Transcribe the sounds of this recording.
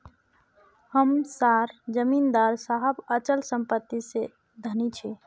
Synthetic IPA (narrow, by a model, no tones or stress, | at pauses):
həmsaɾd͡ʒəmind̪aɾsaɦəbət͡ʃəlsəmpət̪ːise | d̪ʱənit͡ʃʰi